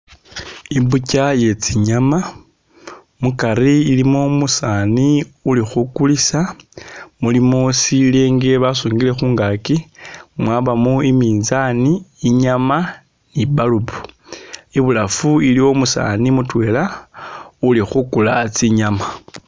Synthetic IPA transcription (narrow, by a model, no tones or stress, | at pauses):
imbucaje̞t͡siɲama | mukaɾiːlimomusaniulixukulisa | mulimosileːŋɡe̞βasuːŋɡile̞xuːŋɡakimwaβamuimiːnzaniːɲama | niβaluβu̥ | iβulafuiliwo̞musa̰ːnimutwe̞ːla | ulixukulat͡siɲama